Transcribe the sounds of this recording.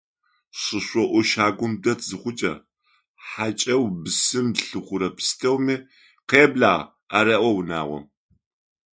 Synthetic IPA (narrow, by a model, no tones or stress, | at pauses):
ɕɨɕʷɔʔʷʊʃaːɡʷʊmdɐtʰzɨχʷʊt͡ʃʼɐ̰ | ħat͡ʃʼɐwbɨsɨmɬɨχʷʊɾɐpʰɨ̥stʰɐwmiː | qeːbɮaːʁ | aɾɐʔʷɔwna̰ːʁʷɔ̰m